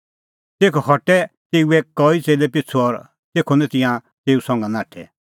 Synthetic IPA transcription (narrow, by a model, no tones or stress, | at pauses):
t̪eːkʰɔhɔʈɛt̪eːuɛkɔit͡seːlɛpɪt͡sʰuɔɾ | t̪eːkʰonɛ̃t̪ɪ̃jã | t̪eːusɔ̃ŋɡãnãːʈʰɛ̰